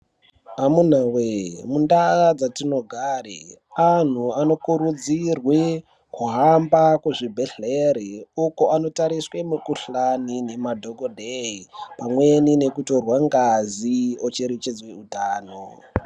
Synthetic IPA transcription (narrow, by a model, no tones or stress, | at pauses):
amun̤awemundaɣad͡zatino̞ɡʱaːrḛan̤uano̞kuɾud͡zirwe | kuɦambakuʐibʱeɬeɾeukoʔano̞taɾiswemukuɬanine̞madʱo̞ɡodʱeipamwe̞nine̞kuto̞rwaŋɡaziot͡ʃe̞ɾe̞t͡ʃed͡zwe̞utaːno